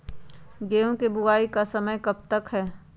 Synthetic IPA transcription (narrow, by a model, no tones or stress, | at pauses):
ɡeːɦõkebʊaːikasɐməjkɐb̚t̪əkɦɛː